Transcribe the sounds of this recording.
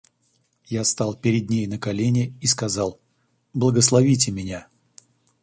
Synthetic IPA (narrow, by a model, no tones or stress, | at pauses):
jast̪ɑlˠpʲɪɾʲɪd̪̚ʲnʲejnəkɐlʲenʲɪiskɐzɑlˠ | blˠəɡəslˠɐvʲitʲɪmʲɪnʲa